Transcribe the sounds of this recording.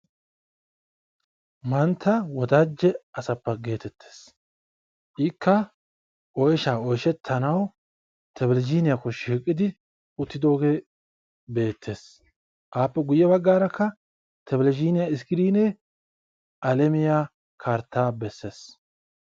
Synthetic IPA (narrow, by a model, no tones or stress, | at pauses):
mɐnt̪ʰːɐwɔd̪ad͡ʒːɛɐsɐpːɐɡe̞ːt̪ɛt̪ʰːe̥ːs | ʔikʰːɐ | ʔɔjʃaːɔjʃɛt̪ʰːɐnɐw | t̪ʰɛbɛlɛd͡ʒiːnɪjakːɔʃiːkʼːɪd̪ɪ | ʊt̪ːɪd̪o̞ːɡeː | be̞ːt̪ʰːe̞ːs | ʔaːpːɛɡʊjːɛβɐɡːaːɾɐkːɐ | t̪ʰɛbɛld͡ʒiːnɪjaɪskɪɾiːne | ʔɐlɛmɪja | kʰaɾt̪ːaːbɛsːe̞ːs